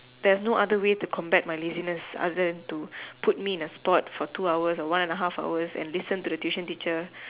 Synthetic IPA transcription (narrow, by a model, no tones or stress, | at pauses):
dɛsnoʔadəwetukʰɔ̃mbɛt̚majlezinəsa̰dədɛ̃ntuput̚miɪ̃nəspɔtfɔtʰuawəsɔwãnɛ̃ndəɦafa̰ʊəsɛ̰̃nlisə̃ntudətjuʃə̃ntit͡ʃə